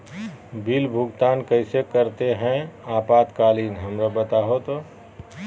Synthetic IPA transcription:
bɪlbʱʊɡt̪aːnkɐɪsekɐɾt̪eɦɛ̃aːpaːt̪kaːliːnɦɐmɾabɐt̪aːɦot̪o

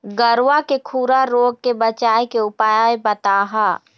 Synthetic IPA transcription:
ɡəɾwakekʰuːɾaɾoːɡ̚kebət͡ʃaːekeʊpaːjaebət̪aːɦaː

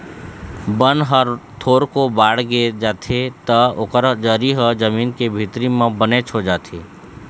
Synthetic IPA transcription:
bənɦəɾt̪ʰoːɾkobaːɽ̤ɡed͡ʒaːt̪ʰet̪əʊkəɾd͡ʒəːɾiɦəd͡ʒəmiːnkebʱit̪ɾimẽbənet͡ʃʰod͡ʒaːt̪ʰeː

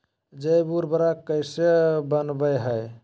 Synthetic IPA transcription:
d͡ʒəjbuɾbəɾakːəjsebənbəjɦəj

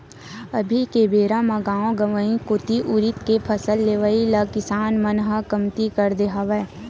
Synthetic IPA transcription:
əbʱikebeːɾamãɡaːõɡəʋəĩkʊt̪iʔʊɾɪt̪kepʰəsəlːeːʋəilɐkɪsaːnmənɦəkəmt̪ikəɾd̪eɦaʋe

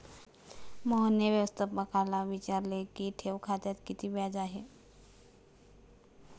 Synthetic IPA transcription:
mɔɦənjəʋjəʋəst̪ʰəbəkʰalaʋit͡ɕaɾlekiʈʰeʋkʰat̪jat̪kit̪ʰiːbjad͡zaɦe

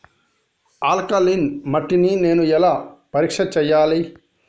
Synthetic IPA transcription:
aːlkɐlinmɐʈːinineːnuɛlaːpɐɾikʂɐt͡ʃɛjːaːli

